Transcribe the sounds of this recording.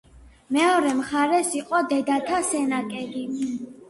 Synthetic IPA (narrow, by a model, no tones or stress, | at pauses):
mɛɔɾɛmχaɾɛsiqʼɔd̪ɛd̪at̪ʰasɛnakʼɛli